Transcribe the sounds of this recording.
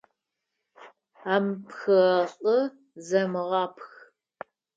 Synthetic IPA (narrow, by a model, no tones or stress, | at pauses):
aːmpxɐɬʼə | zɐmɨʁɑːpʰx